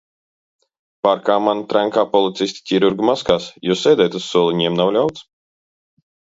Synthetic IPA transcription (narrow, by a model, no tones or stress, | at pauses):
paɾkaːmant̪ɾaŋkaːpɔlˠit̪sisʲt̪ʲi̥tʲiɾuɾɡumaskaːsjussːɛːd̪ʲɛjt̪ussuɔlˠiɲɛmnawlʲawt̪s